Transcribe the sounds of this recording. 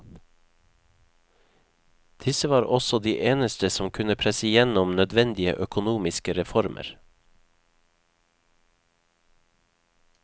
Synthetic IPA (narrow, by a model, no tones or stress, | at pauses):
d̪̥ɪsəʋɑːɾʔɔsɔd̪iːʔeːnəst̪əsɔmkʰʉnəpʰɾɛsəjɛnɔmnœd̪ʋɛnd̪ɪə̰ʔœkʊnuːmɪskəɾɛfɔɾmʔə̰ɾ